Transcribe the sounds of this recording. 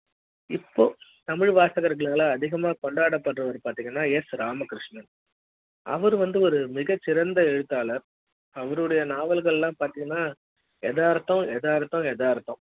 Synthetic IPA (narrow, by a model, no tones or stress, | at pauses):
ɪpːoːt̪ɐmɪɻʋaːsɐɣɐɾɣɐɭaːlɐːðɪɣɐmaːkɔɳɖaːɽɐpːɐʈrɐʋɐɾpaːɾt̪ɪŋɡɐnːaːjɛsɾaːmɐkɪɾɪʂnɐn | ʔɐ̰ʋɐɾɯʋɐnd̪ɯɔɾɯmɪɣɐt͡ʃːɪɾɐnd̪ɐɛɻɯt̪ːaːlɐɾ | ɐʋɐɾɯɽɐjɐnaːʋɐlɣɐɭɛlːãːpaːɾt̪iːŋɡɐnːaː | ɛðaːɾt̪ːɔ̃ɛðaːɾt̪ːɔ̃ɛðaːɾt̪ːɔ̃